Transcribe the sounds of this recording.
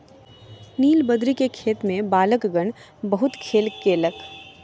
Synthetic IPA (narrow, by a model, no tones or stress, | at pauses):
niːlbəd̪ɾikekʰeːt̪mẽbaːləkɡəɳ̃ | bɐɦʊt̪kʰeːlkeːlək